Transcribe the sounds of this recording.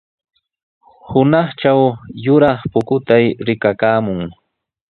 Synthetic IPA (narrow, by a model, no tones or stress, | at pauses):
hʊnɑχt͡ʃawjʊɾɑχpʊkʊt̪ajɾɪkakaːmʊŋ